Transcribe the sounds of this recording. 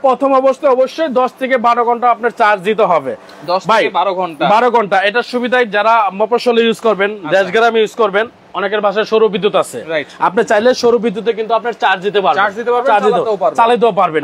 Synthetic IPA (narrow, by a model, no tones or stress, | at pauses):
pɾɔt̪ʰomɔboʃt̪ʰeɔboʃːojd̪ɔʃt̪ʰekebaɾoɡʱɔɳʈaapnaɾt͡ɕaɾɾd̪it̪eɦɔbe | d̪ɔʃtbʱajebaɾoɡʱɔɳʈabaɾoɡʱɔɳʈaeʈaʃubid̪ʱajd͡ʑaɾamɔpɾoʃolejuzʱkoɾbend̪ɛʃɡaɾamijuskoɾben | ɔnek̬eɾbʱaʃaeʃoɾubid̪ːut̪at͡ɕʰḛɾajapnaɾt͡ɕajleʃoɾubid̪ːut̪ek̬int̪uapnaɾt͡ɕaɾd̪it̪epaɾbasd̪it̪epaɾaɾid̪paɾt͡ɕalid̪eapaɾben